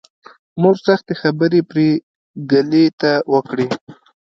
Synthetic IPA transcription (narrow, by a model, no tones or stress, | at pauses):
moʐsaxt̪exabəɾepɾe | ɡalet̪awəkɽi